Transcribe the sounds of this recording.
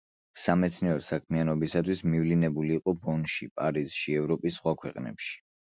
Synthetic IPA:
samɛt̪sʰniɔɾsak̚ʰmianɔbisat̪ʰwismivlinɛbuliːqʼɔbɔnʃipʼaɾiz̥ʃiɛvɾɔpʼisːχwakʰwɛqʼnɛ̰pʃi̥

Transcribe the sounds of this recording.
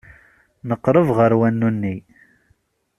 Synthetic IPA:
nəqːɾˤəvʁəɾwænːunːi

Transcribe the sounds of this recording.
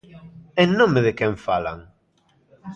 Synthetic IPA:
ennõmeðekɛ̃ɱfala̰ŋ

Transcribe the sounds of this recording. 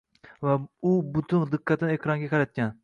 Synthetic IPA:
vɛubut̪ʰuŋd̪ɨqːɛt̪ʰːɨnekʰɾɑŋɡʲɛqʰɑɾɛt̪̚kʲɛn

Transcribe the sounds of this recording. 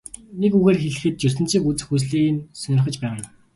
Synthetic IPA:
nekuɣeːrxeɮɘ̆xɘ̆t̪̚t͡ɕɵsɘ̆nt͡siːkut͡sɘ̥̆xus̬ɮiːnsœnʲɪ̆rχə̆t͡ɕpæːʁə̆n

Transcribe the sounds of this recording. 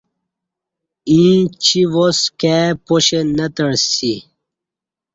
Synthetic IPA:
ĩːt͡ɕʰiwoskɛpoɕenət̪əɽsi

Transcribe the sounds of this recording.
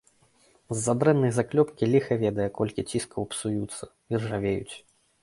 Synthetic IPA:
zːad̪ɾɛnːɐjzaklʲɔpkʲilʲixɐvʲɛd̪ɐjɛkɔlʲkʲit͡sʲiskɐwpsujut̪sːɐvʲirʐavʲejṵt͡sʲ

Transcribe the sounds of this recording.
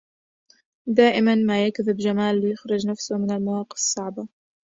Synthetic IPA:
d̪aːʔɪmanmaːjakðɪbd͡ʒamaːlːɪjʊxɾʊd͡ʒnafsʊmɪnalmawɑːqɨ̥fsˤːɑʕba

